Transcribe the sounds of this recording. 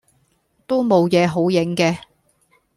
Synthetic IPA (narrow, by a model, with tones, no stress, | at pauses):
t̪o˥wmo˨˧wjɛː˨˧ɦo˨˥wjɪ˨˥ŋkɛː˧